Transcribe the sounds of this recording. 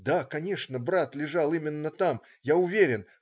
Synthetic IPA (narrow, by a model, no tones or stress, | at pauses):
d̪akɐnʲe̞ʂnəbɾat̪lʲɪʐalˠimʲɪnːət̪am | jaʊvʲeɾʲɪn